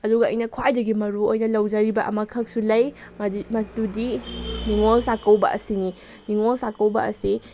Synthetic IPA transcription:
ɐduɡɐɐ̰jnɐkʰwajdɐɡimɐɾuojnɐlɐwd͡ʒaɾibɐʔɐ̰mɐkʰɐk̚sulɐj | mɐtudiniŋolsakɐwbɐ̰ʔɐ̰sini | niŋolsakɐwbɐ̰ɐsi

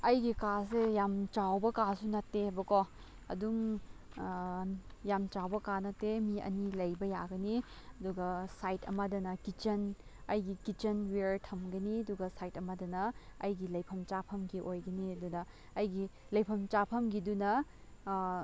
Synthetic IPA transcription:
ɐjɡikas̬ejamt͡ʃawbɐkasunɐtːeɐbɐkɔ | ɐ̰dum | jamt͡ʃawbɐkanɐtːemiɐ̰nilɐjbɐjaɡɐni | ɐduɡɐsajtʰɐ̰mɐdɐnɐkit͡ʃɐnɐjɡikit͡ʃɐnweɾtʰɐmɡɐniɐduɡɐsajtɐmɐdɐnɐɐ̰jɡilɐjpʰɐmt͡ʃapʰɐmɡiʔojɡɐniɐdunɐː | jɡi | lɐjpʰɐmt͡ʃapʰɐmɡidunɐ

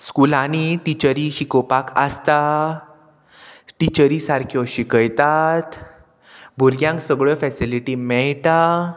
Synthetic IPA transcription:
skulaniʈit͡ɕəɾiɕikopakəst̪a | ʈit͡ɕəɾisaɾkʰjɔɕikəjt̪at̪ | bʱuɾɡjãŋksəɡɭəfɛsiliʈimɛɭt̪a

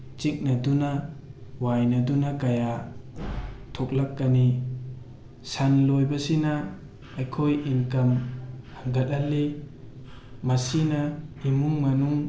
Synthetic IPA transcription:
t͡ʃik̚nɐdunawajnadunakaja | tʰok̚lakːani | sanlojbɐsinaː | jkʰojinkɐmhaŋɡɐt̚ɐlːi | masinaimuŋmanuŋ

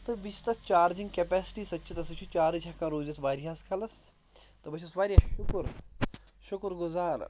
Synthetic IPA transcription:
t̪ɨbit͡ʃʰt̪ɐt͡ʃaːɾd͡ʒiŋɡkepɛːsi̥ʈiːsɐtːt͡ʃʰit̪ɐsɐt͡ʃʰut͡ʃaːɾɨd͡ʒʲɐkãːɾoːzɐt̪ʋaːɾiɦaskʰɐlɐs | t̪ɨbɐt͡ʃʰɐsʋaːɾijaʃʊkɾ | ʃʊkɾɡʊzaːɾ

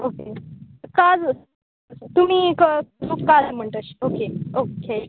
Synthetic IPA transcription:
oke | kad͡z | t̪um̤iːkəukad͡zm̤əɳʈ̪əɕokeoke

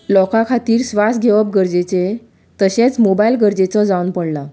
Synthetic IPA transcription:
lɔkakʰat̪iːɾsʋas̚ɡʱeʋəp̚ɡəɾd͡zet͡se | t̪əɕẽt͡smobailɡəɾd͡ʑet͡sɔd͡zaunpəɽla

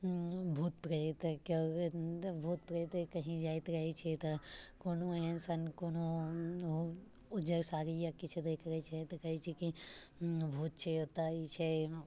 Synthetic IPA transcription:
bʱuːt̪pɾɐit̪koː | bʱuːt̪̚pɾɐit̪ekɐɦĩd͡ʒaːjt̪ɾɐɦet͡ʃʰet̪ɐkoːnoɦẽsɐnkoːno | ʊd͡ʒəɾsaːɾijakit͡ʃʰed̪eːkʰɾɐit͡ʃʰet̪ɐkɐɦit͡ʃʰiki | bʱuːt̪̚t͡ʃʰeot̪aːit͡ʃʰe

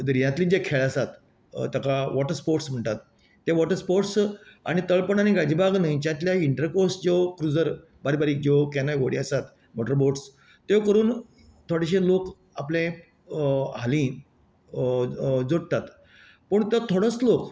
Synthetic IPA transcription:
d̪ɾijãt̪liːd͡ʑekʰeɭasat̪ | t̪akaʋɔʈəɾspoɾʈsm̤əɳt̪at̪ː | eʋɔʈəɾspoʈsa̰ɽ̃it̪əɭpəɳañiɡad͡ʑibaɡnəĩt͡ɕãt̪ljaiɳʈəɾkoɾsd͡ʑokɾud͡zəɾ | baɾibaɾiːk̚d͡ʑokɛnajʋəɽiasat̪ | moʈəɾboʈs | t̪ekəɾuːn | t̪ʰoɽeɕ̬elok | aplẽ | ɦalĩː | d͡zoɽ̚t̪at̪ | pəɳt̪jɔt̪ʰoɽəslok

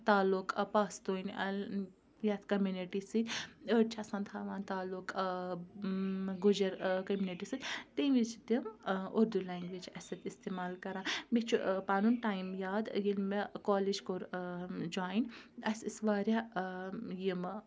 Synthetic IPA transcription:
t̪aːlukpaːst̪oːjnɐl | jaːt̪kɐmjuniʈisɨt̪ʲəʈt͡ʃʰasɐ̃nt̪ʰaːʋaːnt̪aːluk | ɡud͡ʒɐɾkɐmʲjuniʈisɨt̪ʲt̪eʋit͡ʃʰd̪imoɾd̪ulaːŋɡʋid͡ʒɐsɐt̪ist̪eːmaːlkɐɾãːmit͡ʃʰupaːnunʈaːimjaːd̪jilmekoːlid͡ʒkoɾd͡ʒaːjnɐsisʋaːɾʲja | jim

